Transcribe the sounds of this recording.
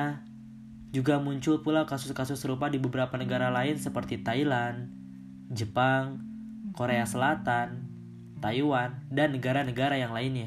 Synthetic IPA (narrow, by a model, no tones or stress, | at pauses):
a | d͡ʒuɡamuɲt͡ʃʊlpulawkasʊskasʊsːəɾupadibəbəɾapanəɡaɾalaɪnsəpərt̪it̪ailan | d͡ʒəpaŋ | koɾeasəlat̪an | t̪aiwandanːəɡaɾanəɡaɾajaŋlaɪnja